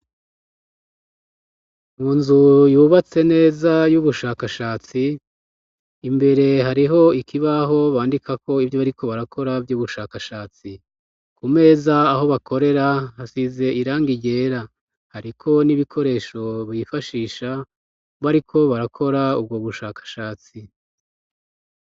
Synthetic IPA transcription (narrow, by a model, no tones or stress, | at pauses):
mŋuːnzujuːβat͡se̞ne̞ːzajuβuʃaːkaʃaːt͡si | mbe̞ɾe̞ɦaɾiɦo̞ikiβaɦo̞βaːndikakʰo̞ivjoβaɾikʰo̞βaɾakʰo̞ɾabjuːβuʃaːkaʃaːt͡si | kume̞ːzaːɦo̞βako̞ɾe̞ɾahasize̞ʔiɾaːŋɡiɟe̞ːɾa | haɾikʰo̞niβikʰo̞ɾe̞ːʃo̞βifaʃiːʃa | βaɾikʰo̞βaɾakʰo̞ɾaub̚ɡoβuʃaːkḁʃaːt͡si